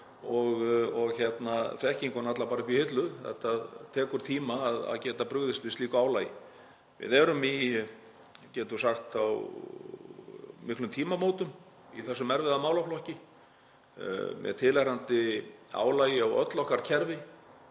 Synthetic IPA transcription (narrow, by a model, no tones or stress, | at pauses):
ɔɣɔɣçɛt̪naθɛhciŋkɔnat̪lapaːɾɪkvihɪt̪lʏθɛ̰ht̪aðt̪ʰɛːkʏɾ̥t̪ʰiːmaːða̰ðcɛːt̪apɾʏɣðɪst̪vɪst̪iːkʏaːwlaːjɪ̰ | vɪ̰ðɛɾʏmi | cɛːt̪ʏsaxt̪aw | mɪhklʏmt̪ʰiːmamoːwt̪ʏm | ḭθɛsːʏmɛɾvɛðamaːwlaflɔhcɪ | mɛ̰ðt̪ʰɪlaɾant̪ɪa̰ːwlaːjɪawœ̰t̪lɔhkaɾ̥cʰɛɾvɪ